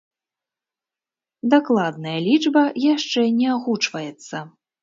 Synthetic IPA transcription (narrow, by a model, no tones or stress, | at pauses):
d̪aklˠad̪̚nɐjɐlʲid͡ʐbɐjaʂt͡ʂɛnʲɛaɣut͡ʂvɐjɛt̪sːɐ